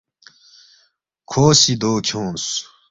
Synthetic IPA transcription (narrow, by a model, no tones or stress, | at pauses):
kʰoːsid̪oːkʰõːs